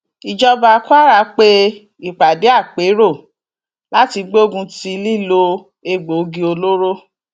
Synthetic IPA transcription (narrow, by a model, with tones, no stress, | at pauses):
i˨d͡ʒɔ˦ba˧ku˦a˦ɾa˨˧˦k͡pe˦ | i˨k͡pa˨de˨˦a˦˨k͡pe˨˦ɾo˦˨ | la˦ti˧ɡ͡be˦o˦ɡũ˧ti˧li˦˨lo˧ | e˧ɡ͡bo˨˦ɡĩ˧o˧lo˦ɾo˦